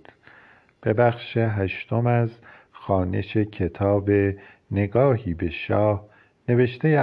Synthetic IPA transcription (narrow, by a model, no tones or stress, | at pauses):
b̥e̞bæxʃeɦæʃt̪omæz | xɒːne̞̰ʃe̞cʰe̞t̪ʰɒːbe̞ | ne̞ɡɒːhiːbe̞ʃɒːh | ne̞ve̞ʃt̪ʰe̞je